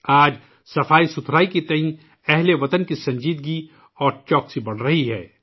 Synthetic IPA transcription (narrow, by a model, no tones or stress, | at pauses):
aːd͡ʒ | sɐfaːisʊt̪ʰɾaːikit̪ɐɦĩ | ɛɦleʋɐt̪ənkisɐ̃ɲd͡ʒiːd̪̚ɡi | ɔːɾt͡ʃɔːksibɐɽ̤ɾɐɦiɦɛ̰ː